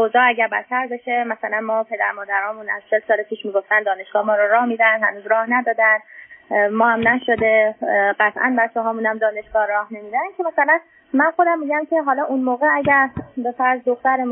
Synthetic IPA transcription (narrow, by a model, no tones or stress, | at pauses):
ozɒːæɟæɾbæ̰t̪ʰːæɾbe̞ʃemæsælænmɒːpʰe̞d̪æ̰ɾmɒːd̪æɾɒːmunæ̰z̥t͡ʃʰelsɒːlepʰiːʃmiːɡo̞ft̪ænd̪ɒːne̞ʃɡ̥ɒːhmɒːɾɔɾɒːhmiːd̪ænd̪hænuːzɾɒːhnæd̪ɒːd̪ænd̪mɒːhæmnæʃod̪e̞ɢæt̪ʰʔæ̰nbæt͡ʃʰːɛɦɒːmunæmd̪ɒːne̞ʃɡ̥ɒːɾɒːhne̞miːd̪ænkʰemæsælæn | mænxo̞d̪æmːiːɟæmcʰe̞ɦɒːlɒːʔunmoːɣeæɟæɾbefæɾzd̪oxt̪æɾe